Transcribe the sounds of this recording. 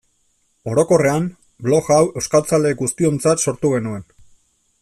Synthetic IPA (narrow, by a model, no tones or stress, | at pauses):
o̞ɾo̞ko̞re̞am | blo̞ɣawe̞skalt͡sale̞ɡust̪io̞nt͡sat̪so̞ɾt̪uɣ̞e̞nue̞n